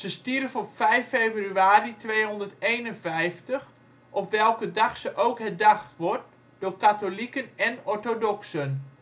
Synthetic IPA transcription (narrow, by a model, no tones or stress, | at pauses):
səstiɾəfɔpfɛjfeːbryaːɾitʋeːɦɔndərtejnənvɛjftəx | ʔɔpʋɛlˠkədaxsəʔowkhɛdaxtʋɔɹt | d̥ʊːrkatolikənɛnɔɹtodɔksən